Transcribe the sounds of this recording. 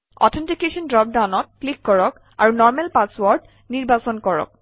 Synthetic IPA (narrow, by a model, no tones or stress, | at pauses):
ɔ̰tʰɛntikesɔndɹɔp̚dawnɔt̚klikːɔɹɔk | a̰ɹunɔɹmɛlpaswɔɹd | niɹbasɔnkɔɹɔ̰k̚